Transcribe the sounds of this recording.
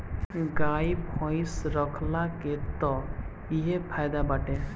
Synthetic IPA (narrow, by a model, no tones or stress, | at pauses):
ɡajpʰɔ̃jsɾɔkʰlaket̪ɔ | iɦepʰajd̪abaʈẽ